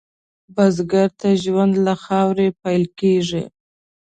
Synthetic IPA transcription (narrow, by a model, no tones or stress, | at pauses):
bazɡaɾt̪aʒwand̪laxɑwɾepajlkeʐḭ